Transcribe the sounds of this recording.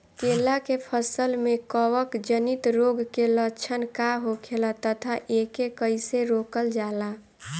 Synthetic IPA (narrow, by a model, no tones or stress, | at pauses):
kelakepʰəsəlmekəwəkd͡ʒənit̪ɾoɡkelət͡ʃʰənkaɦokʰelat̪ət̪ʰaʔekekəɪseɾokəld͡ʒala